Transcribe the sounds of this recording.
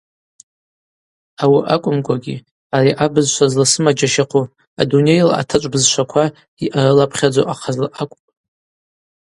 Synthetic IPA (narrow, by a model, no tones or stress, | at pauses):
awiʔakʷʼʊmkʷʼʰaɡʲi | ariʔabɨzʃʷazlasɨmad͡ʒaʃaqʰʷu | a̰dune̞jla̰tʰat͡ʃʷʼbɨzʃʷakʷʰa | iʔaɾɨlapʰχʲad͡zowʔaqʰazlaʔakʷʼpʼ